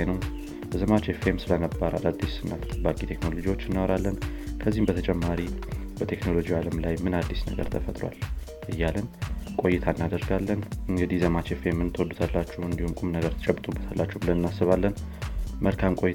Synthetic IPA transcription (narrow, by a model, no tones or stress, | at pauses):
jnəw | zəmat͡ʃefemsɨlənəbːaɾʔa̰d̪ad̪ːisɨnːabakʼit̪ʰe̞kno̞lo̞d͡ʒiwo̞t͡ʃːɨnːawɾalːənkʰəzːihmbət̪ʰət͡ʃʼɛmːaɾibət̪ʰe̞kno̞lo̞d͡ʒiwaləmlajmɨnad̪ːisnə̰ɡə̰ɾt̪ʰəfət̪ʼɾwa̰l | ʔɨjːalənkʼo̞jːɪt̪ʰaɨnːad̪əɾɡalːənɨŋɡɨd̪ihzəmat͡ʃefemːɨnt̪ʰəwɔd̪ːut̪ʰalːat͡ʃːɛwɨnd̪ihumkʼumnəɡəɾt̪ʰɨt͡ʃʼɛbːɨt̪ʼubːət̪ʰalːat͡ʃːɛhbɨlənnːasːɨβalːənməlkʰamkʼo̞jɪ